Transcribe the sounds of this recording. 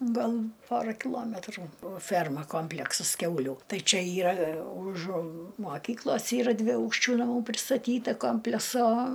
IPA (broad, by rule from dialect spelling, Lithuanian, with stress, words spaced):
ˈɡɐlˠ ˈpoːrɐ kʲɪˈlˠoːmʲɛtruː oː ˈfʲɛrmɐ ˈkoːmʲpʲlʲɛksɐs ˈkʲɛʊlʲuː ˈtɐɪ ˈt͡ʃʲɛ ˈiːrɐ ʊʃ moːˈkʲiːklˠoːs ˈiːrɐ dʲʋʲɪˈɐʊkʃʲt͡ʃʲuː nɐˈmuː pʲrʲɪstɐˈtʲiːtɐ ˈkoːmʲpʲlʲɛsoː